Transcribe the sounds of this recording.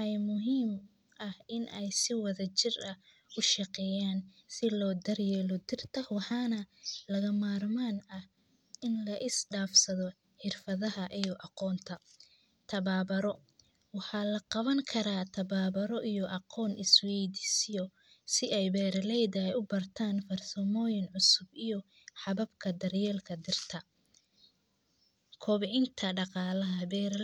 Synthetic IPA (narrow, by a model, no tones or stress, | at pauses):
ɛjmʊɦiːm | ʔɐhɪnɛjsɪwɐðɐt͡ʃɪrɐ | ʊʃɑqɛjaːnsɪlɔːd̪ɐrjɛːlɔd̪ɪrt̪ʰɐhwɑħɑːnɐlɐɣɐmaːrmaːnɐh | ɪnlɐʔɪsɖaːfsɐðɔ | ħɪrfɐðɐɦɐʔijɔʔɑqɔːnt̪ʰɐ | t̪ʰɐβaːβɐɾɔ | wɑħɑːlɐqɑβɐŋkʰɐɾaːt̪ʰɐβaːβɐɾɔʔijɔʔɑqɔːnʔɪswɛːd̪ɪsjɔ | sɪɛjbɛːɾɐlɛjd̪ɐɛjʊbɐrt̪ʰaːnfɐrsɐmɔːjɪnʕʊsʊbijɔ | ħɑβɐbkʰɐd̪ɐrjɛːlkʰɐd̪ɪrt̪ʰɐ | kʰɔːβɪʕɪnt̪ʰɐɖɑqɑːlɐɦɐbɛːɾ